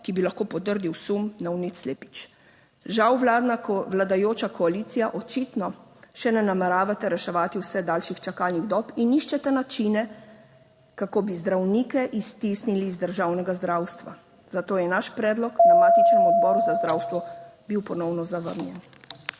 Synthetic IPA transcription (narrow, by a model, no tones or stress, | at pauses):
kibilaxkoːpɔt̪əɾd̪iwsumnawnit̪sleːpi̥t͡ʃ | ʒawʋlad̪nakʋlad̪ajoːt͡ʃakɔalit̪sijaʔɔt͡ʃit̪nɔʃɛnɛnamɛɾaːʋat̪ɛɾɛʃɛʋaːt̪iwsɛd̪aːlʃixt͡ʃakalniɣd̪ɔpiniʃt͡ʃɛt̪ɛnat͡ʃinɛ | kakoːbizd̪ɾawniːkɛʔist̪isniliːzd̪əɾʒawnɛɡazd̪ɾawst̪ʋa̰ | z̥at̪oːjɛnaʃpɾɛːd̪lɔknamaːt̪it͡ʃnɛmɔd̪bɔːɾuzazd̪ɾawst̪ʋɔbiwpɔnɔwnɔzaʋə̰ɾnjɛ̰n